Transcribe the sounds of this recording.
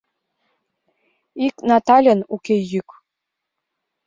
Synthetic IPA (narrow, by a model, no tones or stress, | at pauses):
iknɑt̪ɑlʲɤ̆nukʲejyk